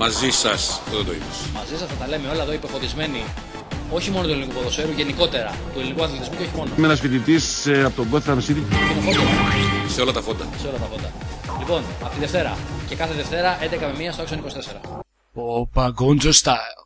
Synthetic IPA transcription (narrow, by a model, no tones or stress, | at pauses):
mɐzisɐst̪oðet̪o̞ḭpɐsmɐzisɐsɐt̪ɐle̞meo̞lɐeðoipefo̞ðizme̞ni | o̞çimo̞not̪ueinikukoðosfe̞ɾuʝe̞niko̞t̪e̞ɾɐ | t̪uelinikuɐθlet̪izmuceoçimo̞nomenɐsfit̪it̪isɐpot̪oɡo̞θeɾɐmesit̪it̪inofot̪oseo̞lɐt̪ɐfo̞d̪ɐ̰se̞o̞lɐt̪ɐfo̞nd̪ɐ | lipo̞nɐpot̪iðe̞ft̪eɾɐ̰ce̞kɐθeðe̞ft̪e̞ɾɐʔend̪ekɐme̞miɐstoesonikost̪e̞se̞ɾɐ | opaɡond͡zost̪